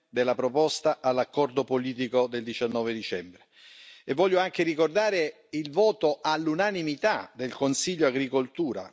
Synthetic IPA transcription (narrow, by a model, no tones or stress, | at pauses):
d̪elːapɾopɔst̪aʔalːakːɔrd̪opoliːt̪̬ikod̪eld̪it͡ʃanːɔːved̪it͡ʃɛmbɾe | evːɔʎːoaŋk̟erikord̪aːɾe | ilvɔːt̪oʔalːunanimit̪ad̪elkonsiʎːoaɡɾikolt̪uːɾa̰